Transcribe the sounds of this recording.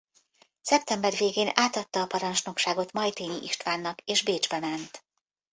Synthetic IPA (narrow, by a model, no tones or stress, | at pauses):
sɛp̚t̪ɛmbɛrveːɡeːnaːt̪ɒt̪ːɒːpɒɾɒnt͡ʃno̞kʃaːɡo̞t̪mɒjt̪eːniʔiʃt̪ʋaːnːɒkeːʒbeːd͡ʒbɛmɛnt̪